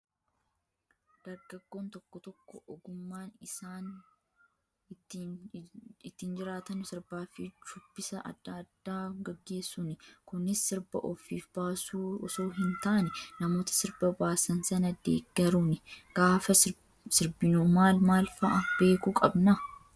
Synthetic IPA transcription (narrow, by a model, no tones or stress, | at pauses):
d̪̥ɐɾɡɐɡːo̞ːnt̪ɔkːɔt̪ɔkːɔʔɔɡʊmːaːnɪsaːn | ɪt̪ːiːnd͡ʒɪɾaːt̪ɐnsɪɾbaːfɪt͡ʃʊb̥ːɪsɐʔɐ̰d̪ːɐd̪̥ːaːɡɐɡːe̞ːsːʊnɪkʊnːɪsːɪɾbɐ̰ʔɔfiːfbaːsuːɔso̞ːɦɪnt̪aʔɐnɛnɐmo̞ːt̪ɐ̥sɪɾbɐbaːsɐnsɐnɐd̪ḛːɡːɐɾuːnɪɡ̥aːfɐ | sɪɾbɪnuːmaːlmaːlfɐʔɐb̥e̞ːkukʼɐbnɐ